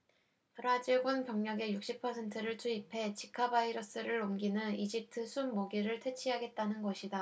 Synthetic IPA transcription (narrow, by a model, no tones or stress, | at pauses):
tʌɾad͡ʑiɭɡonpjʌŋɲʌɡe̞juk̚ɕ͈ipʰʌsʰe̞ntʰɯɾɯɭtʰuipʰe̞t͡ɕikʰabaiɾʌs͈ɯɾɯɾomɡinɯnid͡ʑip̚tʰɯsʰunmoɡiɾɯɭtʰe̞t͡ɕʰiɦaɡe̞t̚t͈anɯnɡʌɕʰida